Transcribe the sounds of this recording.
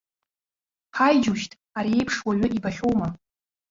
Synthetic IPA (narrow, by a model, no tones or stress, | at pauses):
ħʰajd͡ʒuʃtʼ | aɾie̞jpʰʂwaɥʷʊʔibaχʲowma